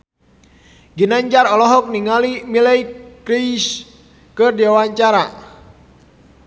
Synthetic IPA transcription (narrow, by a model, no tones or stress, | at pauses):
ɡinaɲd͡ʒaɾɔlɔɦɔk̚niŋalimilɛjkɾis | kərdiawaɲt͡ʃaɾa̰